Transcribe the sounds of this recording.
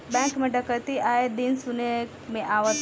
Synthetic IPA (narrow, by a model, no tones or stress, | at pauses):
bɛ̃ːŋkmẽɖɐkəɾt̪iʔaːɦed̪insune | mẽʔaːʋət̪